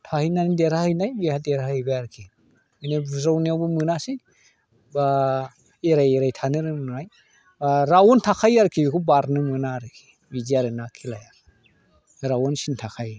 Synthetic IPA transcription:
tʰahɯjnanideɾahɯjnajbihadeɾahɯjbaaɾkʰi | ɯnebzawniawbɯmɯnasi | ba | eɾajeɾajtʰanɯɾɯnaj | baɾawɔntʰakʰajaɾkʰibikʰubaɾnɯmɯnaɾɯkʰi̥ | biziaɾɯnakʰilaja | ɾawɔnsintʰakʰaj

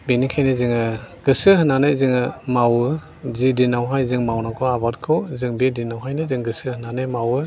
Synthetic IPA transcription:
binikʰajnizɯŋɯɡ̥ɯsɯhɯnanɯjzɯŋɯmawɯ | zidinawɦajzɯŋmawnakʰɔabat̚kʰɯwzɯŋbedinawɦajnɯzɯŋɡɯsɯhɯnanɯjmawɯ

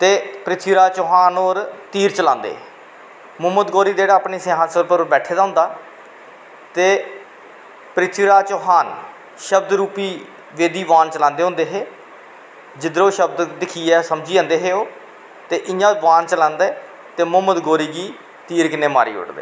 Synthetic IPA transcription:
t̪eːpəɾɪt̪ʰʋiːɾaːt͡ʃoːɦaːnoːɾt̪iːɾt͡ʃəlãːnd̪ḛː | mʊɦmːəd̪ɡoːɾiːd̪eːɽaːpɳeːseɦãːsəlpəɾɾbɛːʈʰːeːd̪aːɦʊ̃nd̪aː | t̪eː | pəɾɪt̪ʰiːɾaːt͡ʃoːɦaːn | ʃəb̚d̪ɾuːpiː | ʋeːd̪iːʋaːnt͡ʃəlãːnd̪eːɦʊ̃nd̪eːɦeː | d͡ʒɪd̪ɾõːʃəbd̪d̪ɪkʰiːɛːsəmd͡ʒiːãːnd̪eːɦeːoː | t̪eːʔɪjãːʋaːnt͡ʃəlãːnd̪eː | t̪eːmʊməd̪ɡoːɾiːɡiː | t̪iːɾkɪnːeːma̰ːɾḭːʊ̰ʈd̪ḛː

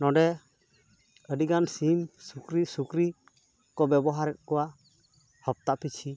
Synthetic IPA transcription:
nɔ̃ɖɛ | əɖiɡansimsukɾisukɾi | kɔbɛbɔɦaɾɛt̪̚kɔwa | hɔp̚t̪aʔpʰit͡ʃʰi

